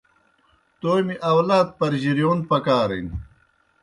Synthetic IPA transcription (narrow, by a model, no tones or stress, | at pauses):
t̪oːjmiʔɐwlaːt̪̚pɐɾʑiɾijoːn̚pɐkaːɾḭn